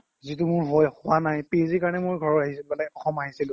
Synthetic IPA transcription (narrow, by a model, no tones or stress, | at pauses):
zit̬umʊɹɦojxʊwanajpeziɹkaɹnɛmʊɹɡʱɔɹɔtaɦisilbɛlakɔxɔmaɦisilʊ̃